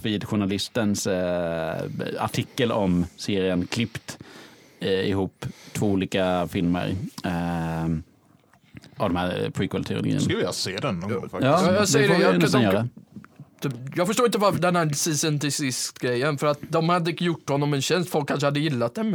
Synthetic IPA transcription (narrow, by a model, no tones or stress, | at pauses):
viːd̪ɧʊɳalɪst̪əns | a̰ʈʰɪkːəlɔmseːɾɪənkʰlɪpt̪ | ɪ̰huːpːt̪ʰvoːuːliːkafɪlmə̰ɾ | avd̪ɔmhæɾpʰɾiːkəlt̪ʰɛɾʊ̰lʊɡḭːənvɪlaseːd̪ɛnːɔjɑːjɑːsd̪ɛjːəɛɪnɛsanjœːɾadɛ | d̪jɑːɡfœʂʈoːɾɪnt̪əvaɾfd̪ɛnhæsɪsənt̪ʰɪsɪskt̪ɡɾɛjːənfœɾat̪̚d̪ɔmhad̪ːəɪjʊʈːhɔnːɔmɛnɕɛnst̪fɔlkʰːanʂ̬əhad̪ːəjɪlːat̪̚d̪ɛm